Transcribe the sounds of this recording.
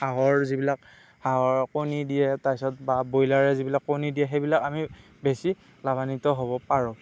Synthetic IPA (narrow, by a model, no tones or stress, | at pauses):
haɦɔɹzibilak̚ | haɦɔɹkonidijɛtasɔt̚babojlaɹɛzibilakːonidijɛɦebilakami | besi | labanitɔɦobɔpaɹɔ̃